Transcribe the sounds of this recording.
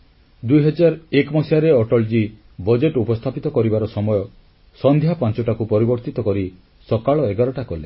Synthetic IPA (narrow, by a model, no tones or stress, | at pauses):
d̪ujɦɔd͡ʒaɾekmɔsiaɾeɔʈɔld͡ʒi | bɔd͡ʒeʈupɔst̪ʰapit̪ɔkɔɾibaɾɔsɔmɔjɔ | sɔnd̪ʱjapãnt͡ʃɔʈakupɔɾibɔɾt̪it̪ɔkɔɾi | sɔkaɭɔeɡaɾɔʈakɔle